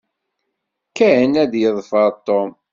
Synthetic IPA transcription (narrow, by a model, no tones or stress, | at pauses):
kːænæðjəðˤfəɾˤt̪ːom